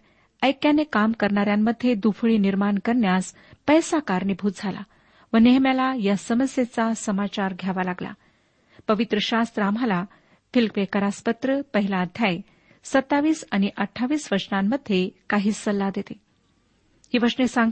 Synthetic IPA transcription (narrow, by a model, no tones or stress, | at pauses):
əjkjanekamkəɾɳaɾjamːəd̪ʱːjed̪ufɭiːniɾmaɳkəɾɳjas | pəjsakaɾɳibʱuːt̪d͡zʱala̰ | ʋəneɦmjalajasəməsjet͡sasəmat͡ɕaɾɡʱjaʋalaɡla̰ | pəʋit̪ɾəɕast̪ɾamala | fʰilkʋekəɾaspət̪ɾəpəɦilaːd̪ʱjae | sət̪ːaʋiːsañiʔəʈʰːaʋiːsʋəɾʂnamːəd̪ʱːjekaɦiːsəlːad̪et̪e | hiːʋəɾʂnesãŋɡ